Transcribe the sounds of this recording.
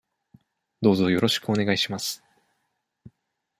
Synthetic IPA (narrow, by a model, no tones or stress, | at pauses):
d̪o̞ːzo̞jo̞ɾo̞ɕi̥kɯo̞ne̞ɡaiɕimasɨ̥